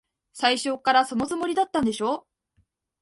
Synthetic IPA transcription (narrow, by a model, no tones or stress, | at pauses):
saiɕo̞ːkaɾaso̞no̞zɨmo̞ɾʲid̪at̪ːãnd̪e̞ɕo̞ː